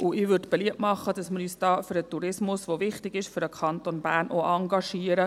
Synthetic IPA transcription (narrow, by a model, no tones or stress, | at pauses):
ʔʊʔɪʋʏrdb̥ɛliəp̚mɑχːəd̥ɑsmɪɾyːsd̥ɑːfʏɾət̪uɾɪsmʊsʋovɪχtɪɡɪʃfʏɾəkʰɑnt̪onbæːɾnoʔɑŋɡɑʃiːəɾə